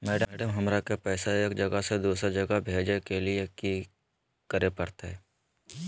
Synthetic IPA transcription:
mɛːɖəɖəmɦɐmɾakepɛːsaɦeːkd͡ʒɐɡased̪uːsɾed͡ʒɐɡabʱeːd͡ʒekelieki | kəɾepɐɽt̪aɦɛː

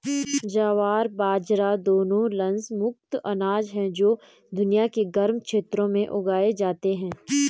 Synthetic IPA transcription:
d͡ʒaːʋaːɾbaːd͡ʒɾad̪oːnõlɐ̃nsmʊk̚t̪ɐnaːd͡ʒɦɛ̃d͡ʒoː | d̪ʊnijakeɡɐɾmkʃeːt̪ɾõmẽʔʊɡaːed͡ʒaːt̪eɦɛ̃ː

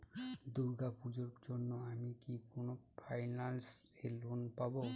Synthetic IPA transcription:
d̪uɾɡapud͡ʑoɾd͡ʑonːoamikikonopʰajnanselonpabo

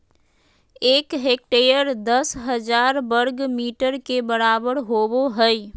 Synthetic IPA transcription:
eːkɦeːk̚ʈeːjəɾd̪əsɦəd͡ʒaːɾbəɾɡmiːʈəɾkebəɾaːbəɽɦoːboɦɛi

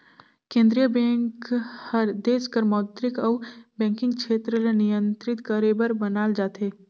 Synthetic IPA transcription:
kẽːnd̪ɾijəbɛ̃ːŋkhəɾd̪eːskəɾmɔːt̪ɾɪkɔʋbɛ̃ːŋkɪ̃ŋɡkʃʰeːt̪ɾəlenijə̃nt̪ɾɪt̪kəɾeːbəɾbənaːld͡ʒaːt̪ɦeː

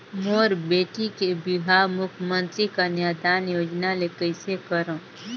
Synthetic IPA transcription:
moːɾbeːʈikebɪɦamʊkʰjmə̃nt̪ɾikaneːd̪aːnjoːd͡ʒnalekəɪsekəɾõː

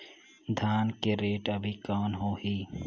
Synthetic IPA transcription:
d̪ʱaːnkeɾeːʈɐbʱikɔːnɦoːɦiː

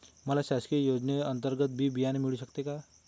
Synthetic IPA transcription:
mɐlasaːskijoːd͡ʒneɐ̃nt̪əɾɡət̪̚bʱibijanemɪɭisɐkt̪eɡaː

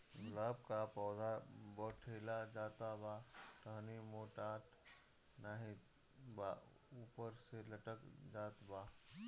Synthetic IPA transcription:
ɡʊlaːbkapɔːd̪abəʈʰeːlad͡ʒaːt̪abaʈəɦnimoːʈaːʈʰ | naːɦĩ | ba | uːpəɾseləʈəkd͡ʒaːt̪baː

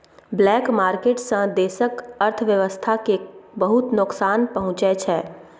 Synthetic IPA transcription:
blɛːkmaːɾkeːʈsə̃d̪esəkəɾt̪ʰəʋjəʋəst̪ʰakebəɦut̪nʊksaːnpəɦʊ̃t͡ʃɛt͡ʃʰɛː

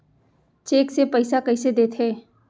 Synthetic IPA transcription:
t͡ʃeːksepəɪsakɐised̪eːt̪ʰɦɛː

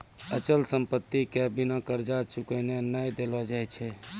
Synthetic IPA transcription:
ət͡ʃəlsəmpət̪ːikɛbinakəɾd͡ʒat͡ʃukənenːajd̪elɔd͡ʒajt͡ʃʰɛ

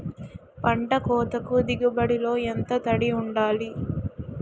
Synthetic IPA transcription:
pɐɳɖɐkɔːt̪ɐkud̪iɡubɐɽilo̞ːent̪ɐt̪ɐɽiuɳɖaːli

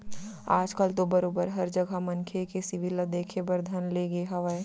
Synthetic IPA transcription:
aːd͡ʒkəlt̪obɐɾoːbəɾɦɐɾd͡ʒəɡʱamɐŋkʰekesɪʋiləd̪eːkʰebɐɾd̪ʱɐnleɡeɦɐʋəe

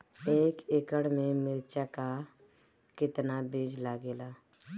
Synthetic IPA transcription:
eːkekəɽmẽmɪɾt͡ʃaka | kɪt̪nabeːd͡ʒlaːɡeːlaː

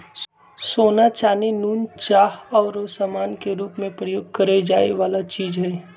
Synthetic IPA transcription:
soːnat͡ʃaːnenuːnt͡ʃaːɦɔːɾosamaːnkeɾuːpmẽpɾəjoːɡ̚kɐɾed͡ʒaːeʋaːlat͡ʃiːd͡ʒɦɛː

